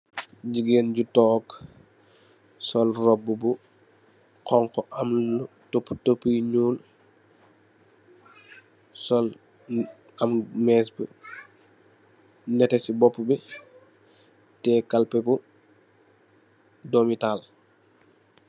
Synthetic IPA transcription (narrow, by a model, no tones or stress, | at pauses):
ɟiɡenɟutɔːk | sɔlrɔbːubu | kɔŋkɔʔamu | topːu̥topːujɲuːl | sɔl | ɐmmɛːsbə | nɛtesibɔpːubi | tɛkalpɛbu | domital